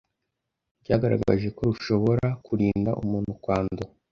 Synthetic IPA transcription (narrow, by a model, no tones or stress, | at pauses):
ɟaːɡaɾa̰ɡa̰ʒe̞ko̞ɾuʃo̞βo̞ɾakʰuɾiːnda̰ʔumuːnhukwaːndo